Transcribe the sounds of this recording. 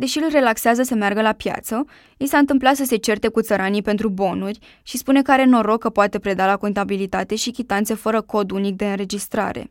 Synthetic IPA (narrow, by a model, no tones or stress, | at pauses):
d̪e̞ʃiɨlre̞lakseazəsəmearɡəlapja̰t̪sə | isaɨnt̪ɨmplat̪səse̞t͡ʃe̞rt̪e̞kut̪səɾanipe̞nt̪ɾubo̞nurʲ | ʃispune̞kəaɾe̞no̞ɾo̞kːəpoat̪e̞pɾe̞d̪alako̞nt̪abilit̪at̪e̞ʃikʲit̪ant̪se̞fəɾəko̞d̪unik̚d̪e̞ɨnre̞d͡ʒist̪ɾa̰ɾe̞̰